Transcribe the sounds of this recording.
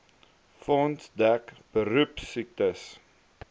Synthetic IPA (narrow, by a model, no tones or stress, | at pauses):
fɔntdækb̥əɾʉpsik̚təs